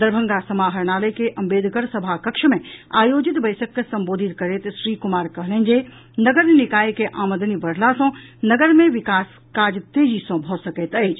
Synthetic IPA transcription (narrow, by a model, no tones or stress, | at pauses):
d̪əɾbʱə̃ŋɡasɐmaːɦɐɾñaːləjkeʔɐ̃mbeːd̪ʱkəɾsɐbʱakɐkʃəmẽaːjoːd͡ʒɪt̪bɐjsəkːesɐ̃mboːd̪ʱɪt̪kɐɾet̪ʃɾiːkʊmaːɾkɐɦlə̃nd͡ʒe | nɐɡəɾnenɪkaːjkeʔaːməd̪ʱənibɐɽ̤lasɔ̃nɐɡəɾmẽʋɪkaːs | kaːd͡ʒt̪eːd͡ʒisɔ̃bʱɔsɐkeːt̪əed͡ʒ